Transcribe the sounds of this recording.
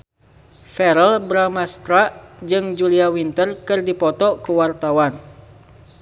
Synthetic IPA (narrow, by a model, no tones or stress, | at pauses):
fɛɾəlbɾamast̪ɾaʔd͡ʒɨŋd͡ʒuliawint̪ərkɨrdipɔt̪ɔkuwart̪awan